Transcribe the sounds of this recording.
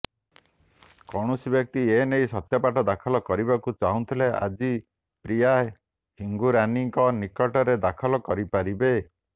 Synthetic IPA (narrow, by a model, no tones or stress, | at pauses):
kɔɽ̃ɔsibjɔk̚t̪ienejsɔt̪jɔpaʈɔd̪akʰɔlɔkɔɾibakut͡ʃaɦũnt̪ʰileʔa̰d͡ʒi | pɾia | hiŋɡuɾaniŋkɔnikɔʈɔɾed̪akʰɔlɔkɔɾipaɾibe